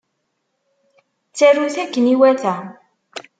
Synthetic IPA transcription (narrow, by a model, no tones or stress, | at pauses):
t͡sːæruθækːəniwæθæ